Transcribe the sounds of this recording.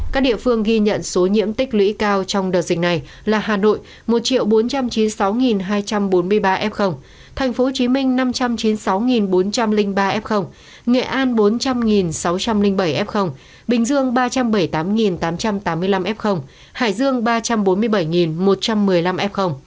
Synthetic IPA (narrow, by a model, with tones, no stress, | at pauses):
ka˦˥k̚ɗḭ˧˨əfɨ˧əŋɣi˧ɲə̰˧˨nso˨˦ɲḭ˧˥əmt̪ï˦˥k̟̚lwḭ˧˥kaː˧wt͡ɕɔ˧wŋ͡mɗəː˨˩zï˨˩k̟̚na˨˩j | laː˨˩ɦaː˨˩no̰˧˨j | mo˨˩t̚t͡ɕḭ˧˨əwɓo˨˦nt͡ɕa˧mt͡ɕi˨˦nsa˨˦wŋi˨˩nɦaː˧jt͡ɕa˧mɓo˨˦nmɨ˧əjɓaː˧ʔɛ˦˥p̚xə˧wŋ͡m | t̪ʰɛ˨˩jŋ̟fo˨˦t͡ɕi˨˦mï˧ŋ̟na˧mt͡ɕa˧mt͡ɕi˨˦nsa˨˦wŋi˨˩nɓo˨˦nt͡ɕa˧mlï˧ŋɓaː˧ʔɛ˦˥p̚xə˧wŋ͡m | ŋɛ̰˧˨ʔaː˧nɓo˨˦nt͡ɕa˧mŋi˨˩nsa˨˦wt͡ɕa˧mlï˧ŋ̟ɓə˧˩jʔɛ˦˥p̚xə˧wŋ͡m | ɓï˨˩ŋ̟zɨ˧əŋɓaː˧t͡ɕa˧mɓə˧˩jt̪aː˨˦mŋi˨˩nt̪aː˨˦mt͡ɕa˧mt̪aː˨˦mːɨ˧əjla˧mʔɛ˦˥p̚xə˧wŋ͡m | ha̰ː˧˩jzɨ˧əŋɓaː˧t͡ɕa˧mɓo˨˦nmɨ˧əjɓə˧˩jŋi˨˩nmo˨˩t̚t͡ɕa˧mːɨ˨˩əjla˧mʔɛ˦˥p̚xə˧wŋ͡m